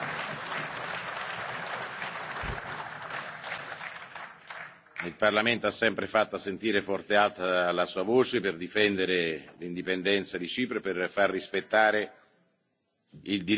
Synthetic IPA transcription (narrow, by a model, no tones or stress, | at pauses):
ilparlament̪oasːɛmpɾefat̪ːasent̪iːɾefɔrt̪ealt̪alasuːavoːt͡ʃepɪrd̪ifɛnd̪eɾelind̪ipend̪ɛnt̪sad̪it͡ʃiːpɾoperfarːispet̪ːaːɾe | ild̪i